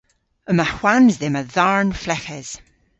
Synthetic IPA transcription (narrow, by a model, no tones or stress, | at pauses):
əmahw̥anzðɛməðaɹnflɛkɛz̥